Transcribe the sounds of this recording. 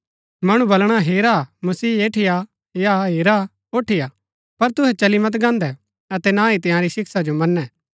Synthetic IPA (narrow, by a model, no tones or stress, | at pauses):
mɐɽ̃ũbɐlɽ̃aɦeːɾamɐsiːeːʈʰɪja | jaɦeːɾa | oːʈʰɪja | pɐɾt̪ʊɦɛt͡ʃɐlimɐt̪ɡãːnd̪ɛ | ɐt̪ɛnãːit̪ɪjãɾisɪksad͡ʒomɐnːɛː